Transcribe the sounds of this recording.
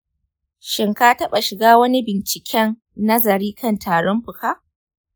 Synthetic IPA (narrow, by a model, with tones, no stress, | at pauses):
ʃɪ˨ŋkaː˦tɐ˦ɓa˨ʃɪ˨ɡaː˦wɐ˦ni˦bɪ˨nt͡ʃɪ˨kʲɛ˦nː | ɐ˦zɐ˨ɾiː˦kʰɐ˦˨ntaː˨ɽɔ˦mɸʊ˨kaː˦ʔ